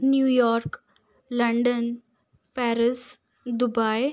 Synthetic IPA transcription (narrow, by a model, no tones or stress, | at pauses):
njuːjɔɾk | ləɳɖən | pæɾis | d̪ubaj